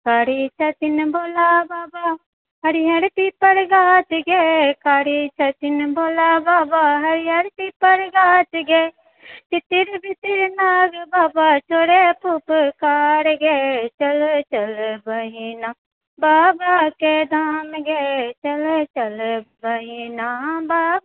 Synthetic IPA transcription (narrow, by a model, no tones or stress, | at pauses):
kaːɾit͡ʃɐt̪ɪnboːlabaːba | ɦɐɾiɦɐɾp̪ipəɾɡaːt̪ɡekaːɽit͡ʃʰɐt̪ɪnboːlabaːbaɦɐɾijɐɾpipəɾɡaːt̪ɡe | t͡ʃ̪ɪt̪ɪɾbɪt̪ɪɾnaːɡbaːbat͡ʃʰoːɽepʊpkaːɽɡet͡ʃəlt͡ʃəlbəɦiːna | baːbaked̪amɡet͡ʃəlt͡ʃəlbəɦiːnabab